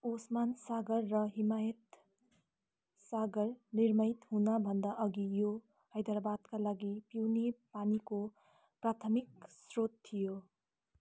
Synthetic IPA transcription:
osmansaɡʌrːʌɦimajʌt̪ | saɡʌɾniɾmʌjt̪ɦunabʱʌnd̪aʔʌɡijo | ajd̪aɾbad̪kalaɡipiwnepaniko | pɾat̪ʰəmik̚sɾot̪ʰːijo

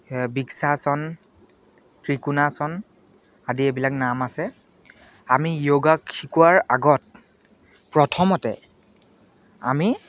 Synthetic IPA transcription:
biksasɔn | kɹikunasɔn | adiebilaknamasɛ | amijoɡakxʰikuwaɹaɡɔt̚ | pɹɔtʰɔmɔtɛ̰ | a̰mi

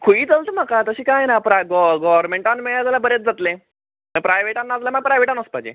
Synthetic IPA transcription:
kʰuiːt͡səlt̪əm̤əkat̪əɕiːkajenapɾaɡɔɡɔʋəɾmẽɳʈanmeɭad͡zalabəɾet͡s̚d͡zat̪le | məpɾajʋeʈanːad͡zlaməɡ̚pɾajʋeʈanəspad͡ʑḛ

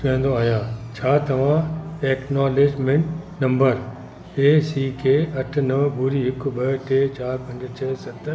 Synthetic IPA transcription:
ẽːnd̪oaːɦjãːt͡ɕʰaːt̪ɐʋ̤ãeːknaːleːd͡ʒmẽɳʈnɐ̃mbəɾ | eːsiːkeːɐʈʰnɐʋbuɾiɦɪkɓɐʈeːt͡ɕaːɾpɐ̃ɲd͡ʑt͡ɕʰɛːsɐt̪ːəɾ

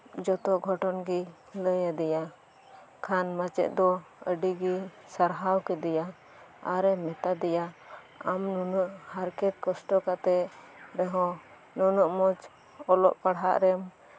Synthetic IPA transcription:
d͡ʒɔt̪ɔɡʱɔʈɔnɡi | ləjad̪ɛja | kʰanmat͡ʃɛ̰ʔ̪̚d̪ɔəɖiɡi | saɾɦawkɛd̪ɛja | aɾɛmɛt̪ad̪ɛja | amnɔnəʔhaɾkɛt̪̚kɔsʈɔkat̪ɛ | ɾɛɦɔ̃ | nɔnɔʔmɔd͡ʒ | ɔlɔ̰ʔpaɽɦa̰ʔɾɛm

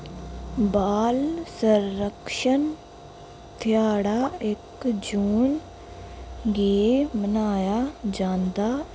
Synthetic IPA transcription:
baːlsəɾːəkʃən | t̪ʰɪjaːɽaːɪkd͡ʒuːn | ɡeːmənaːjaːd͡ʒãːnd̪aː

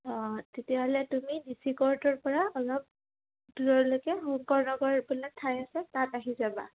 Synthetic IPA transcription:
ɔtetiaɦɔlɛtumidisikɔɹtɔɹpɔɹaɔlɔp̚ | duɹɔɹlojkɛhɔŋkɔɹnɔɡɔɹbilak̚tʰːajasɛtataɦizaba̰

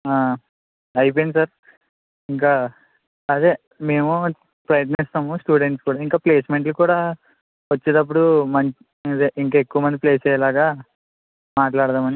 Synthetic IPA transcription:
aː | ɐjp̬ojnisɐɾ | iŋk̬aː | ɐd̪eː | me̞ːmu | pɾɐjɐt̪̬nist̪aːmusʈuːɽe̞ɳʈskuːɽaːiŋkaːple̞ːsme̞ɳʈlukuːɽaː | ʋɐt͡ʃːied̪ɐp̬ːuɽumɐɲ | d̪eʔiŋkaːekːuʋɐmɐnd̪ipleːst͡ʃɛːjɐlaːɡaː | maːʈlaːɽt̪aːmɐni

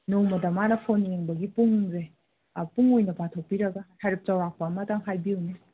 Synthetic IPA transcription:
nowmɐdɐmanɐpʰoneŋbɐɡipuŋze | puŋojnɐpatʰok̚piɾɐɡɐhaɾip̚t͡ʃɐwɾak̚pɐːmɐtaŋɦajbiujne

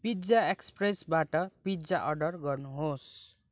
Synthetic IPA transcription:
pid͡zaekspresbaʈʌpid͡zaʔʌrɖʌrɡʌrnuɦos

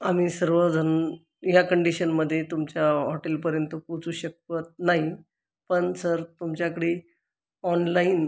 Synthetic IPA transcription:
am̤iːsəɾʋəd͡zʱən | jakəɳɖiɕənməd̪ʱːjet̪umt͡ɕjaɦɔʈelpəɾjənt̪əkut͡suːɕək̚ət̪̚naɦi | pəɳsəɾt̪umt͡ɕjakəɽiː | ɔnlain

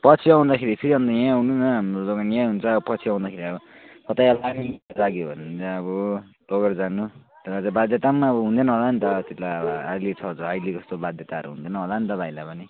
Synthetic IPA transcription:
pʌt͡sʰiaw̃d̪akʰeɾipʰiɾiɦʌ̃nd̪ʌjãawnunʌɦamroloɡanjãɦunt͡sʰʌːbʌpʌt͡sʰiãw̃nd̪akʰeɾiʌbʌkʌt̪ajʌlanid͡zaɡjobʱʌnunt͡sʌʌβʌ | toɡʌrd͡zanu | t̪elat͡sãbad̪jʌt̪amaːbʌɦund̪enʌɦolanit̪ʌt̪itlabʌajlet͡sʰʌd͡zʌajled͡zʌst̪obad̪ʱjʌt̪aʌɾṵɦṵnd̪enʌɦolanit̪ʌbʱaĩlapʌni

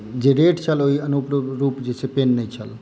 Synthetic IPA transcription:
d͡ʒeɾeʈt͡ʃʰəloiənupɾoɾupd͡ʒesʰepenːəjt͡ʃʰəl

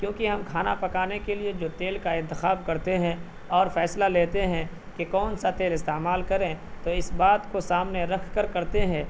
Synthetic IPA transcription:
kjõːkiɦɐmkʰaːna̰pɐkaːnekelied͡ʒoːt̪eːlkaɪ̃nt̪ɪxaːb̚kɐɾt̪eɦɛ̃ | ɔːɾfɛːslaleːt̪eɦɛ̃ | kekɔːnsat̪eːlɪst̪eːmaːlkɐɾẽt̪oɪsbaːt̪kosaːmneɾɐkʰkəɾkɐɾt̪eɦɛ̃

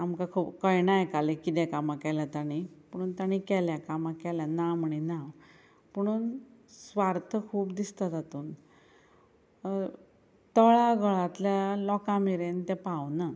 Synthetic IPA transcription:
amkakʰuːpkəjnajkalekit̪ɛ̃kamãkɛljat̪aɽ̃ipəɽ̃uːnt̪aɽ̃ikɛljakamãkɛljanaməɳinaw | pəɽ̃uːnsʋaɾt̪ʰəkʰuːpd̪ist̪at̪at̪uːn | t̪əɭaɡʱəɭat̪ljalɔkãmiɾent̪ɛ̃pawna

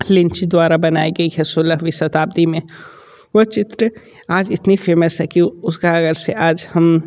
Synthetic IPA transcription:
lɪ̃nt͡ʃid̪waːɾabɐnaːiɡɐiɦɛsʊləɦʋɪsɐt̪aːb̚d̪imẽ | ʋɐt͡ʃɪt̪ɾə | aːd͡ʒɪt̪nifeːməsɦɛkiʊskaɐɡəɾseʔaːd͡ʒhɐm

